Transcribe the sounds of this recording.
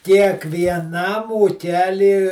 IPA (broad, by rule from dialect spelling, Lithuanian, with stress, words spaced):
kʲiɛkʋʲiɛˈnɐm uːˈkʲæːlʲiː